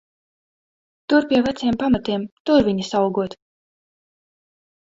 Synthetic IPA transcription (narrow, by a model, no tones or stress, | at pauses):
t̪uɾpʲiɛvat̪siɛmpamat̪iɛmt̪uɾviɲisawɡuɔt̪